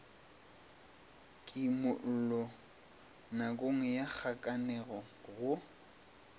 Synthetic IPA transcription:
kʼimʊʔ̩lɔ | nakʼoŋɛjak͡xʰakʼanɛɣɔ | ɣʊ

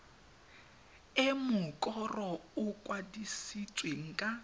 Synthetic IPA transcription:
ɪmʊkʼɔrɔʊkʼwadisit͡sʼweŋ̩kʼa

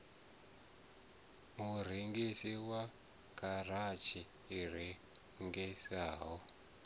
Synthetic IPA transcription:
muɾ̤eŋɡesiwa | karat͡ʃiː | re | ŋɡesaːɦɔ

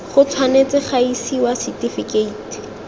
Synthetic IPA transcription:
χʊt͡sʰwanet͡sɪχaisiwasitifikeiti̥

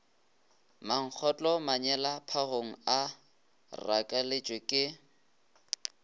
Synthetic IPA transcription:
maŋ̩k͡xʰɔt͡ɬʼɔmaɲɛlapʰaɣoŋ̩a | ra̰kʼalɪt͡ʃʼwekʼɪ

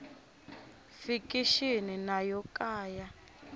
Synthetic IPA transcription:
fikiʃininajɔkaːja

